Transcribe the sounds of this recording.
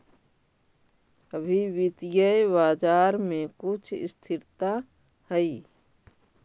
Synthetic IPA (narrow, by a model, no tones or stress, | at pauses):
əbʱiwit̪ijəjbaːd͡ʒaːɾmẽkʊt͡ʃʰɪ̰st̪ʰɪɾt̪a | həi